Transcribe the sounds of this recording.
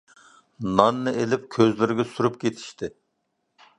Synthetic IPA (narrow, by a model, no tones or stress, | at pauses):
nɑnːɨʔelɪp̚kʲʰøzlɪɾɪɡʲɛsuɾup̚kʲʰet̪ʰi̥ʃt̪ɪ